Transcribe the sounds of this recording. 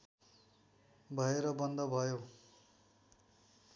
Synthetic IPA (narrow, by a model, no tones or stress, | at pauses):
bʱʌeɾʌbʌnd̪ʌbʱʌjo